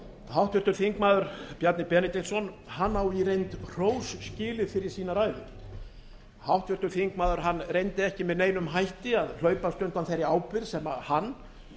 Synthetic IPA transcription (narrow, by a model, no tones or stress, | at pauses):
hawht̪vʏɾt̪ʏɾθiŋkmaːðʏɾ̥pjaɾt̪nɪpɛnɪt̪insɔnhanːawiɾejnt̪r̥oːwsːcɪːlɪfɪɾɪɾ̥siːnaɾaːjðɪ | hawht̪vʏɾ̥t̪ʏɾθiŋkmaːðʏɾ̥ɦanːrejnt̪ɪɛhcɪmɛðneːjnʏmɦajht̪ɪaðl̥œːɥpast̪ʏnt̪anθejɾɪaːwpɪɾ̥sɛːmahanː